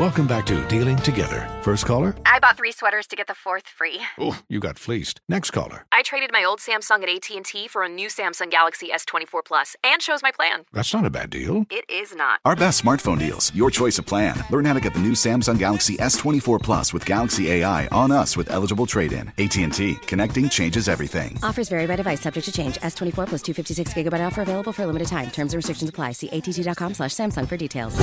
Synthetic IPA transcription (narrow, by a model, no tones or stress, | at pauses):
wɛlˠkə̃mbæk̚tʰɨ̰dilˠɪ̃ŋtʰɨɡɛ̰ðə̰˞fɜ˞stkʰɔlˠə˞ʔaɪbɑt̪̚θɹiswɛɾə˞z̥tʰɨɡɛt̪̚ðəfɔɹθfɹiujɨɡɑ̰tflistnɛkskʰɔ̰lˠə̰˞ʔaɪtʰɹ̥eɪɾɨd̚maɪoʊlˠd̥sæ̃msɔ̃ŋɨɾeɪtʰiɨ̃ntʰifə˞ɨnʉsæ̃msɑ̃ŋɡælˠəksiɛstʰɛ̃ɾ̃ifɔɹpʰl̥ʌsɨ̃nt͡ʃoʊzmaɪpʰl̥æ̰̃nðætsnəɾɨbæ̰dḭlˠɪɾɪznə̰t̚aʊə˞bɛstsmɑɹtfõʊ̃ndḭlˠz̥jə˞t͡ʃʰɔɪsʌv̥pʰl̥æ̰̃nlɜ̃˞nhaʊɾʰɨɡɛt̪̚ðɨnʉsæ̃msʌ̃ŋɡælˠəksiʔɛstʰw̥ɛ̃ɾ̃ifɔɹpʰl̥ʌ̰swɨð̥ɡælˠəksieɪaɪʔə̃nʌswɨðɛ̰lˠəd͡ʒəbl̩ˠtʰɹ̥eɪɾɪ̰̃neɪtʰiɨ̃ntʰikʰɨnɛk̚tɪ̃ŋt͡ʃʰẽɪ̃nd͡ʒɨzɛvɹḭθɪ̰̃ŋɔfə˞zvɛɹibæɾdɨvaɪsʌb̚d͡ʒɨk̚tʰɨt͡ʃʰẽɪ̃nd͡ʒɛstʰwɛ̃ɾ̃ifɔɹpʰl̥ʌstʰʉfɪftisɪksɡ̥ɪɡəbaɪɾɔlˠfə˞əveɪlˠəbl̩ˠfə˞əlɪ̃mɨɾɨd̚tʰãɪ̃mtʰɜ̃˞mzə̃nɹɨstɹ̥ɪkʃn̩səpʰl̥aɪsiʔeɪtʰitidɑt̚kʰɑ̃mslæʃsæ̃msʌ̃ŋfə˞ditʰeɪlˠz̥